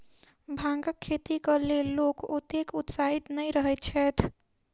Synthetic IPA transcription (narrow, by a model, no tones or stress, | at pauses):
bʱãŋɡəkʰːet̪ikəlelokot̪ekut̪sait̪nəiɾəɦɛt̚t͡ʃʰɛːt̪ʰ